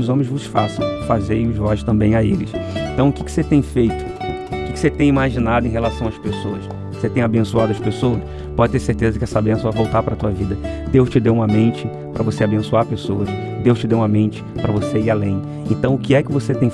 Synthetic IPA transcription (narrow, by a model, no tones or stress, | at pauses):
ʊzõmẽj̃zvʊsfasɐ̃w̃fazeɾiʊzvɔzʃt̪ɐ̃mbẽj̃aelɪsẽnt̪ɐ̃w̃ʊkɪkɪ̥set̪ẽj̃fejt̪ʊ̥ | ʊkɪ̥kɪ̥set̪ẽj̃imaʒinad̪ʊẽj̃ɦelasɐ̃w̃ɐʃpesowɐs | set̪ẽj̃abẽsuad̪ʊɐspesoɐs | pɔd͡ʒɪt̪eɾseɾt̪ezɐkɪɛsabẽsɐ̃vavowt̪aɾpɾɐt̪uɐvid̪ɐd̪ewʃt͡ʃɪd̪ewũmɐmẽnt͡ʃɪ | pɾʔɐvoseabẽsuaɾpesoɐs | d̪ewʃt͡ʃɪd̪ewũmɐmẽnt͡ʃɪ̥pɾɐvoseiɾalẽj̃ | ẽnt̪ɐ̃w̃ʊkɪɛkɪvoset̪ẽj̃